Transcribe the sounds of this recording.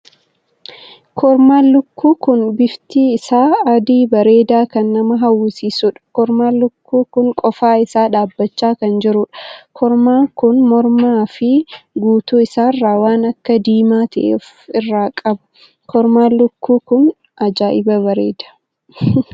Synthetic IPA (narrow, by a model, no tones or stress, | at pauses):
kʰɔɾmaːlʊkːuːkʊnbɪft̪iːɪsaːɐd̪iːbɐɾe̞ːd̪aːkɐnːɐmɐɦɐwʊsiːsʊᶑɐ̥kɔɾmaːlʊkːuːkʊŋkʼɔfaːɪsaːᶑaːbːɐt͡ʃːaːkɐnd͡ʒɪɾʊᶑɐ̥kʰɔɾmaːkʊnmɔɾmaːfɪɡuːt̪uːɪsaːrːaːwaːnɐkːɐd̪iːmaːt̪ɐʔeːf | ɪrːaːkʼɐbʊ̥ | kʰɔɾmaːlʊkːuːkʊn | ʔɐd͡ʒaːʔɪbɐbɐɾe̞ːd̪ḁː